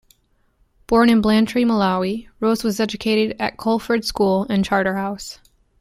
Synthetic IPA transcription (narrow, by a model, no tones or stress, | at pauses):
b̥ɔɹnɨ̃nblæ̃ntʰɹ̥iməlaiɹoʊzwʌzɛd͡ʒɨkʰeɪɾɨɾɨ̰t̚kʰɔlˠfə˞d̥skulˠɨ̃nt͡ʃʰɑɹɾə˞haʊs